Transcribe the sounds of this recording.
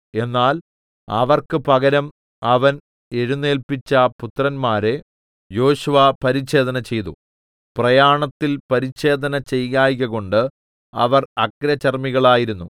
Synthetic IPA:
e̞nːaːl | ɐ̰ʋɐrkɨpɐɣɐɾɐm | ɐʋɐn | eɻunːe̞ːlpit͡ɕːɐput̪ːrɐnmaːɾe̞ | jo̞ːɕuʋapɐɾiɕe̞ːd̪ɐnɐt͡ɕe̞jt̪u | prɐjaːɳɐt̪ːilpɐɾit͡ɕɕe̞ːd̪ɐnɐt͡ɕe̞jɣaːjɣɐɣo̞ɳɖɨ | ɐ̰ʋɐrɐkɾɐt͡ɕɐrmiɣɐɭaːjiɾunːu

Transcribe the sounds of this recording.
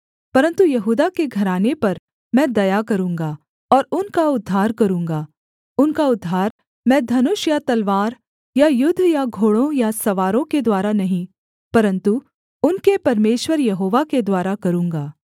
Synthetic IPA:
pɐɾə̃nt̪ujɐɦuːd̪akeɡʱɐɾaːnepɐɾ | mɛ̃ːd̪ɐjakɐɾũːŋɡaː | ɔːɾʊnkaʊd̪ʱːaːɾkɐɾũːŋɡaː | ʊnkaʊd̪ʱːaːɾ | mɛ̃ːd̪ʱɐnʊʃjat̪ɐlʋaːɾ | jajʊd̪ʱːjaɡʱoːɭõjasɐʋaːɾõked̪waːɾanɐɦĩ | pɐɾə̃nt̪u | ʊnkepɐɾmeːʃwəɾjɐɦoːʋaked̪waːɾakɐɾũːŋɡaː

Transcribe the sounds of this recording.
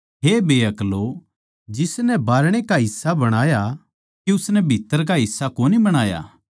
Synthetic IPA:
ɦebʱeːɐklo | d͡ʒɪsnɛbaːɾɽ̃ekaɦɪsːabɐɽ̃aːja | kiʊsnɛbʱɪt̪ːəɾk̬aɦɪsːakoːnibɐɽ̃aːja̰ː

